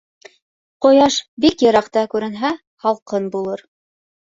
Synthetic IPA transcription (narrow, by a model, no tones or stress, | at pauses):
qŏjɑʃbikjɤ̆ɾɑqt̪ɑkʉɾɘ̆nɦæ | hɑlˠqɤnbulˠɤɾ